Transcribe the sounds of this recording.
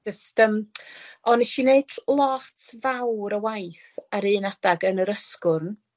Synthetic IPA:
əstəmɔnɛʃineɨdlˠɔtʰvawɾəwajθaɾɨːnadaɡənəɾəskʊrn

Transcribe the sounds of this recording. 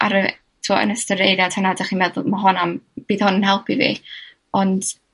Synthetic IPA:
a̰ɾə | tʰuɔə̰nəstəɾejɾjad̥hɛnadaχinmɛðʊlˠmaɦɔnamb̥iːðhʊnənhɛlˠpʰivḭ | ɔnd̥

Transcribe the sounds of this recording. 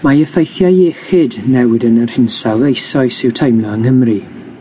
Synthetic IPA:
majəfejθjajɛxɨdnɛwɪdənər̥hɪnsalˠðejsɔɨsɪwtʰajmnɔəŋhəmri

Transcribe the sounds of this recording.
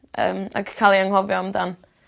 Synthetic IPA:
ə̰ːma̰ɡkʰalˠiaŋhɔvjɔmdan

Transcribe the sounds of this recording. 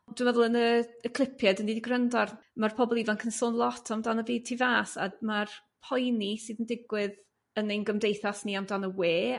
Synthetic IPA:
d̥wɪmvɛðʊlˠənəəkʰl̥ˠɪpʰjɛdəniːdiɡrəndarmarpʰɔbɔlˠivankʰənsoːnlˠɔtʰɔmdanəviːd̚tʰivaːsa̰marpʰɔjnisɨːðəndɪɡwɪð | ənenɡəmdejθasniamdanəweː

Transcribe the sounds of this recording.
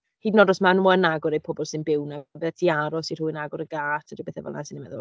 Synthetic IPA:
hiːdnɔdɔsmanwaənaɡʊɾejpʰɔbɔlˠsɪnbɪwnabɛtʰiaɾɔsir̥uːɪnaɡʊɾəɡaːtʰədibeːθɛ̰vɔ̰lˠna̰sɪnimɛ̰ðʊ̰lˠ

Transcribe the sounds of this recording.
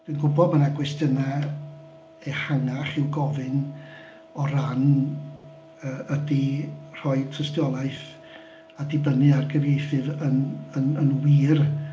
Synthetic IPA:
d̥winɡʊbɔd̚mənaɡwɛstjəna | ɛhaŋaχɪwɡɔvɨn | ɔɾan | əːədir̥ɔɨtʰrəstjɔlˠaɨθ | adɪbənɨarɡəvjejθɨvənənənwiːr

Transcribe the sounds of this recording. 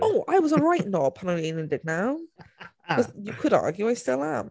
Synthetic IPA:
oʊʔa̰ɪwʌzəɹaɪʔnɔpʰɑ̃nəĩnɨ̃ndɪɡ̚naʊ | ʌzjɨkʰʊɾɑ̰ɹɡjʉaɪstɪlˠə̃m

